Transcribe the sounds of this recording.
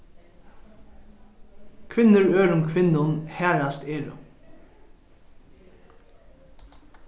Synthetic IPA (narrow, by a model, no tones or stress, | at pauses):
kʰʋɪnəɹøːɹʊmkʰʋɪnʊnhæːɹɑst̪eːɹʊ̰